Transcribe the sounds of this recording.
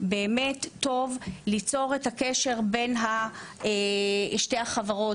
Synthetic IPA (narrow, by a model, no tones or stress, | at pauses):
beːmetːo̞vlit͡so̞ʁethakeʃe̞ʁbe̞nɦaeʃte̞jhaχavaʁo̞